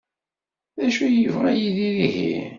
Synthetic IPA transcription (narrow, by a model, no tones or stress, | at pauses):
ðæʃujəvʁæjiðiðihḭ